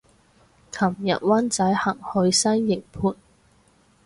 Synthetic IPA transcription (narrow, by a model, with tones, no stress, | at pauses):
kʰɐ˨˩mjɐ̰˨t̚wɐ˥nt͡sɐ˨˥jhɐ˨˩ŋhɵ˨˧˥ɥsɐ˥nːɪ˨˩ŋpʰuː˧t̚